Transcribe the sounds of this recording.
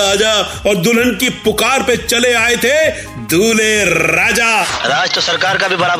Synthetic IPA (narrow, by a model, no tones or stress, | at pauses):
ɦɐd͡ʒaɔːɾd̪ʊlə̃ɳɖ̚kipʊkaːɾpet͡ʃɐleaːet̪ʰe | d̪ʱuːleɾaːd͡ʒaːɾaːd͡ʒt̪osɐɾkaːɾkabʱibɐɾaːb